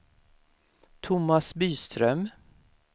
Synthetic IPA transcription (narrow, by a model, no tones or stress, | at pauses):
t̪ʰʊmasbyːst̪ɾœm